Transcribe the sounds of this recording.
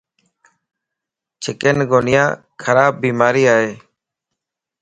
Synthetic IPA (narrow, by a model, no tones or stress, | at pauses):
t͡ʃʰɪkenɡoːnɪjãː | kʰəɾaːb̚ːiːmaːɾiːaːɦeː